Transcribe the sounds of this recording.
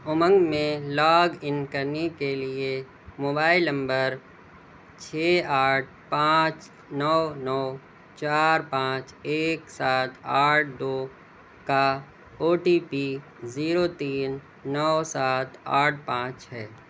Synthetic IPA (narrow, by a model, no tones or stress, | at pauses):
ʊmə̃ŋɡmẽlɔːɡɪnkəɾnekelie | moːbaːɪlnə̃mbəɾ | t͡ʃʰɛːaːʈ̚ʰpãːt͡ʃ | nɔːnɔː | t͡ʃaːɾpãːt͡ʃeːksaːt̪ʰaːʈ̚ʰd̪oː | ka | oːʈiːpiː | ziːɾot̪iːnː | ɔːsaːt̪aːʈ̚ʰpãːt͡ʃɦɛː